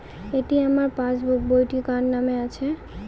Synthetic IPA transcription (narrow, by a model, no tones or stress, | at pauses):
eʈiamaɾpãt͡ɕbobojʈikannameat͡ɕʰe